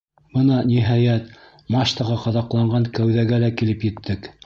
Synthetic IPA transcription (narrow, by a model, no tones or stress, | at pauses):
b̥ɤnɑnʲiɦɑjæt̪ | mɑʃt̪ɑʁɑqɑðɑqlˠɑɴɢɑŋkæwðæɡælækilɘpjɘ̆t̪ʰːɘk